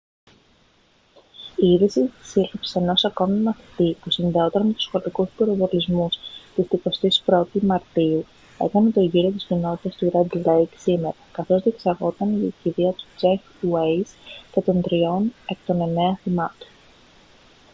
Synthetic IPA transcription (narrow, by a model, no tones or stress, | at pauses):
iiðisii̥silipse̞no̞sɐko̞mimɐθi̥t̪ipusinðeo̞t̪eɾɐme̞t̪u̥sxolikuspiɾovolizmust̪ist̪iko̞st̪ispɾo̞t̪imɐɾt̪iu | e̞̰kɐnet̪o̞ʝiɾio̞t̪iscino̞t̪i̥t̪ɐst̪uɾɐd̪lejksime̞ɾɐkɐθo̞zðie̞ksɐɾɣo̞t̪ɐniieçiðiɐt̪u̥d͡ʒek | uwejscet̪o̞nd̪ɾio̞ne̞k̚t̪o̞ne̞ne̞ɐθimɐt̪o̥